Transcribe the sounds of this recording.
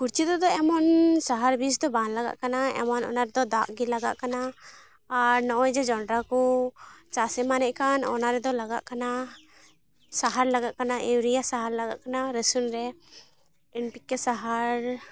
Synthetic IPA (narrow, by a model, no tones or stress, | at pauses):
kuɾt͡ʃit̪ɔd̪ɔɛmɔnsaɦaɾbis̬d̪ɔbanlaɡa̰ʔkanaɛ̰mɔnɔ̰naɾɛd̪ɔd̪aʔɡilaɡa̰ʔkanaː | ɾnɔʔɔjd͡ʒɛd͡ʒɔɳɖɾakɔt͡ʃasɛmanɛʔkanɔ̰naɾɛd̪ɔlaɡa̰ʔkana | saɦaɾlaɡaʔkanaʔewɾijasaɦaɾlaɡa̰ʔkanaɾəsunɾɛ | inpikːɛsaɦaɾ